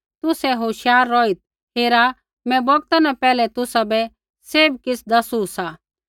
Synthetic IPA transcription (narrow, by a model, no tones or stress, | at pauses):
t̪ʊsɛɦoːʃjaːɾːɔit̪̚ | ɦeːɾa | mɛ̃bɔɡ̚t̪anapɛːlɛt̪ʊsabɛ | seːbkɪsʰd̪ɐsusa